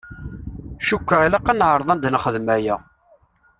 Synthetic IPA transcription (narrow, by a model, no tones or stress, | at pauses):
ʃukʷːəʁilaqːɑnʕəɾˤðˤɑnd̪nχəðmæjæ